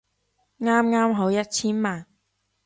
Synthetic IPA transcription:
ŋaː˥mŋaː˥mɦo˨˥wjɐ˥t̚t͡sʰiː˥nmaː˨˩n

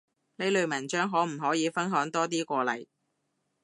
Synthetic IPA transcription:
ne˨˧jlɵ˨˧ɥmɐ˨˩nt͡ʃœː˥ŋɦɔː˨˥m̩˨˩ɦɔː˨˥jiː˨˧fɐ˥nɦœː˨˥ŋt̪ɔː˥t̪iː˥kʷɔː˧lɐ̰˨˩j

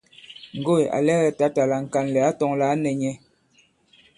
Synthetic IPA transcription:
ŋ̩˨ɡo˦˨ja̰˨lɛ˦ɣɛ˨ta˨˦ta˨la˨ŋ̩˨ka˨nlɛ˨a˦tɔ˨˦ŋla˨˦nɛ˨ɲɛ˦

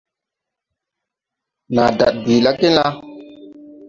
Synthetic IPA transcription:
na˨da̰˨t̚biː˨la˦ke˦n˦la˦

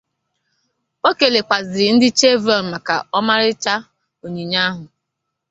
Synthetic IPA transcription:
o˦ke˨le˨kʷa˨zɪ˨˦n̩˦dɪ˦t͡ʃe˦vɔ˨n˨ma˨ka̰˨ɔ˦ma˦ɾɪ˦t͡ʃa˦ | o˨ɲi˨ɲa˦ɦʊ˨

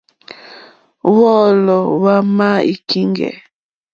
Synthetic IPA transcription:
wɔ˦˨lɔ˨wa˦ma˦i˨ki˦ŋɡɛ̰˨

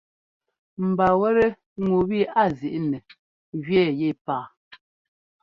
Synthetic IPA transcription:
m̩˨ba˨wɛ˦ɾe˦ | ŋu˨bi˦a˦˨zi˨ʔnɛ˨ | ɣɥɛ˦˨je˦˨paː˦˨

